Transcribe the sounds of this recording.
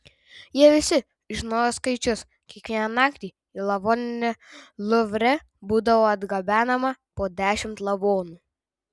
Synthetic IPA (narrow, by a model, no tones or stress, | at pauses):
jiɛʋʲɪsʲɪ | ʒʲɪnoːjoskɐɪt͡ʃʲʊs | kʲiɛkʋʲiɛnɐnɑːkt̪ʲiː | iːlˠɐʋoːnʲɪnʲɛlˠʊʋʲɾʲɛ | buːd̪ɐʋoːɐd̪ɡɐbʲæːnɐmɐpoːd̪ʲæːʃʲɪmt̪lˠɐʋoːnuː